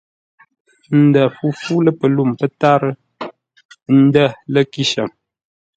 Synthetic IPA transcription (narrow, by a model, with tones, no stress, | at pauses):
n̩˨də˨fu˦fu˦lə˦pə˨lu˦˨mpə˦ta˦ɾə˦ | n̩˦də˦˨lə˦ki˦ʃə˨m